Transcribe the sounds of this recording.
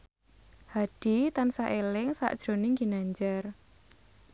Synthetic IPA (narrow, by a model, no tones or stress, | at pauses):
had̥i̤t̪ansaʔelɪŋsa̰ʔd̥ʒ̥ɾo̤nɪŋɡi̤naɲd͡ʒar